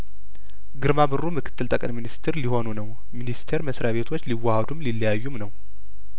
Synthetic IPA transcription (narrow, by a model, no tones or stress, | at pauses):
ɡɨɾmabɨrːumɨkʰɨ̥t̪ʰːɨlt̪ʼəkʼɨnminist̪ʰeɾliho̞nunəw | minist̪ʰe̞ɾməsɾaβe̞t̪ʰo̞t͡ʃːliwːahad̪umlilːəjajːumnəw